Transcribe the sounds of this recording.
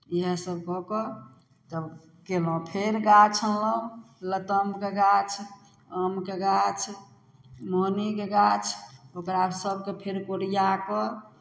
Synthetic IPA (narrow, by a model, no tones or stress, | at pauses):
iɦəsəb̚kɔkɔ | t̪ə | kelɔ̃pʰeɾɡat͡ʃʰəlləũ | lət̪əmkeɡat͡ʃʰ | əmkeɡat͡ʃʰ | monikeɡat͡ʃʰokɾasəb̚ʱkepʰeɾkoɾijakɔ